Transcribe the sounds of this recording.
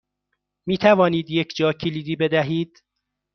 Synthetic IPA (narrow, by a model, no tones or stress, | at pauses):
miːt̪ʰævɒːniːd̪jecʰd͡ʒɒːcʰiliːd̪iːbe̞d̪æɦiːd̪̥